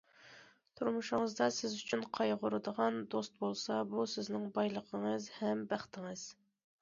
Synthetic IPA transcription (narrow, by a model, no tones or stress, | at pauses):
t̪ʰuɾmuʃʊŋəzd̪ɑsɪzyt͡ʃʰynqʰɑjʁʊɾɨd̪əʁɑnd̪ost̪̚bolˠsɑbusɪznɪŋbɑjlˠəqʰəŋəzhɛmbæχt̪ʰɪŋəz̥